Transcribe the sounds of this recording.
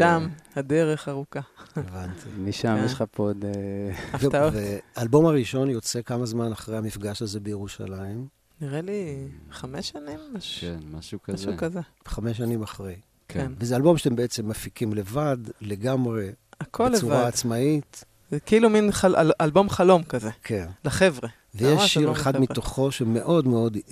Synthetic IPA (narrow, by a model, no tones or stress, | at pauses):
ʃamhad̪eʁeχaʁukaevantʰiniʃamjeʃχapod̪eveveaːlbo̞maʁiʃo̞njo̞t͡sekamazmanaχʁejhamifɡaʃaze̞bejeʁuʃa̰laim | niʁeliχameʃanimaenmaʃukazukazeveχameʃ̬animaχʁej | kʰnvezealbo̞mʃe̥tembeet͡semːafikimle̞vadle̞ɡamʁe̞akʰolːuvʁaːt͡smait | keiluminχalalʔalbo̞mχalo̞mkazekʰenlaχevʁe | vejeʃːiʁeχadmitoχo̞ʃmeʔo̞dmeo̞d